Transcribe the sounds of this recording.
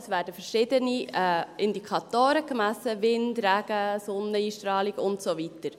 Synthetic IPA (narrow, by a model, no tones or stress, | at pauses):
sʋæːɾdəfəɾʃɪdəniɛʔɪndikʰɑtoːɾəkmæsəvɪndræɡ̥əsʊnːəiːʃtɾɑːliɡʊntsovitəɾ